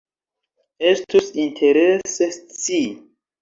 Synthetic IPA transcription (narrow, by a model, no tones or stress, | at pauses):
e̞stusintʰe̞ɾeset͡si